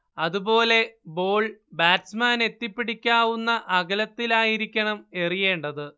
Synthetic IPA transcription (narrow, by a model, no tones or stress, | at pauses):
ɐðubo̞ːle̞bo̞ːɭbaːʈsmaːne̞t̪ːipːiɽikʲːaːʋunːɐʔɐɣɐlɐt̪ːilaːjiɾikʲːɐɳɐme̞rije̞ːɳɖɐðɨ